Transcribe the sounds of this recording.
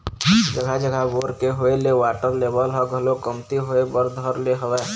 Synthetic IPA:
d͡ʒəɡʱad͡ʒəɡʱaʋoːɾkeɦoeleʋaːʈəɾleːbəlɦɔɡʱəlokəmt̪iɦoːebəɾd̪ʱəɾleɦəʋɛː

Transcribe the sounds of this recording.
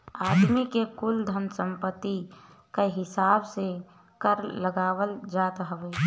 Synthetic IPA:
aːd̪mikekʊld̪ʱənsə̃mpət̪ːi | kaɦɪsaːbse | kəɾləɡaːwəld͡ʒaːt̪ɦəʋeː

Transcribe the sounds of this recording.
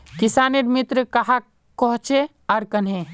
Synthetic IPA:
kisaːneɾmit̪ɾəkɐɦa | kɔɦt͡ʃe | aɾkənɦẽ

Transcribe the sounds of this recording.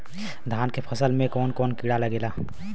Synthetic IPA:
d̪ʱaːnkepʰɐsəlmẽkɔːnkɔːnkɪɽalɐɡeːlaː

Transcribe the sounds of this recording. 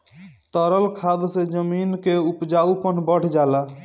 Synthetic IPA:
t̪əɾəlkʰad̪sed͡ʒəminkeupd͡ʒaupənbəɽ̤d͡ʒala

